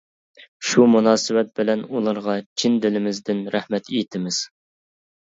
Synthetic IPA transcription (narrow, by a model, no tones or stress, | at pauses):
ʃumunɑːsɨwɛt̪̚bɪlɛnulˠɑɾʁɑt͡ʃʰind̪ɪlɪmɪzd̪ɪnɾæhmɛt̪ʰejt̪ʰɪmɪz̥